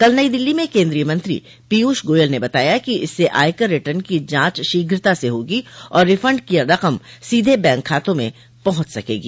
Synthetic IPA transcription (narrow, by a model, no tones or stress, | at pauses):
kɐlnəid̪ɪlːimẽkẽːnd̪ɾijəmɐ̃nt̪ɾḭ | piuːʃɡoːjəlnebɐt̪aːjakiɪsːeʔa̰ːjkəɾːɪʈəɾnkid͡ʒãːt͡ʃʃiːɡɾɪt̪aseɦoːɡiɔːɾːɪfə̃ɳɖkijaɾɐqəmsiːd̪ʱebɛ̃ːŋkʰːaːt̪õmḛ̃ | pɐɦʊ̃t͡ʃsɐkḛːɡḭː